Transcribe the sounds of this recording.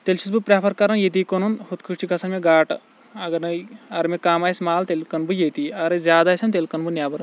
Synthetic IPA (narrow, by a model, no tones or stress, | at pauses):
t̪elt͡ʃʰisbɨpɾʲaːpʰɐɾkɐɾɐnjet̪̬ikonunhut̪kʰɨt͡ʃʰikɐsɐnmeɡaːʈ | ɐɡɐɾnɐɐɾmekaːmaːjsmaːlt̪elkɐnbɨjet̪iɐɾɐzʲjaːd̪aːsʲɐmt̪̬elkɐnbunjaːbɐɾɐ